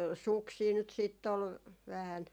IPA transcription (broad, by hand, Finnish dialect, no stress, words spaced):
suksiː nyt siːtː ol ʋæhæn